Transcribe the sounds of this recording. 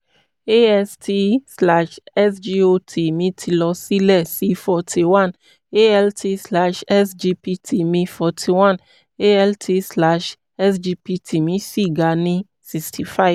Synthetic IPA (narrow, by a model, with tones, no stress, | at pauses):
e˦ɛ˦stʰi˧sla˧ʃɛ˦sd͡ʒi˧o˧tʰi˨mĩ˨˦tʰi˧lɔ˧si˦lɛ˦˨si˦fɔ˧tʰi˧wã˦˨n | e˦ɛ˦ltʰi˧sla˧ʃɛ˦sd͡ʒi˧pi˧tʰi˨mĩ˧fɔ˨˧tʰi˨wã˦n | e˦ɛ˧ltʰi˧sla˦ʃ | ɛ˦sd͡ʒi˧pi˧tʰi˨mĩ˨˦si˦˨ɡa˨nĩ˧ | si˧kstʰi˨fa˦˨j